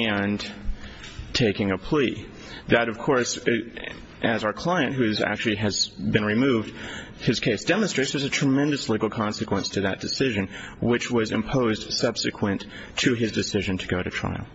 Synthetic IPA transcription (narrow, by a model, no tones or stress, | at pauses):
ɨ̃n | tʰeɪkɪ̃ŋɨpʰl̥i | ðɨɾʌv̥kʰɔɹs | ʔɨzaʊə˞kʰl̥aɪɨ̃nʔɦʉzæ̰k̚t͡ʃʉl̩ˠiɨz̥bɨ̃nɹimuvd̥ | hɨz̥kʰeɪsd̥ɛmə̃nstɹeɪsɨ˞zɨtʰɹ̥ɨmɛ̃ndɨsliɡl̩ˠkʰɑ̃nsɨkʰwə̃nstʰɨðɨt̚d̥ɨsɪʒɨ̃nwɪt͡ʃwʌzɨ̰̃mpʰoʊzd̥sʌb̥sɨkʰwɨ̃nʰ | ɨɪzdɨsɪʒɨ̃ntʰɨɡoʊɾɨtʰɹ̥a̰ɪl̩ˠ